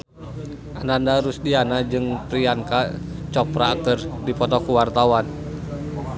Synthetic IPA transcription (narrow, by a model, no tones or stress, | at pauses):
ʔanandaɾusdianad͡ʒɨŋp̪ɾiaŋkat͡ʃɔpɾaːk̚t̪ɔrdipɔt̪ɔkuwart̪awan